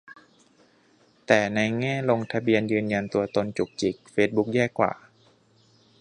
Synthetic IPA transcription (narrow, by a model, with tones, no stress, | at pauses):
t̪ɛː˨˩na˧jŋɛː˥˩lo˧ŋt̪ʰa˧bi˧ənjɯː˧nja˧nt̪u˧ɐt̪o˧nt͡ɕu˨˩k̚t͡ɕi˨˩k̚feː˦˥t̪̚bu˦˥k̚jɛː˥˩kːwa̰ː˨˩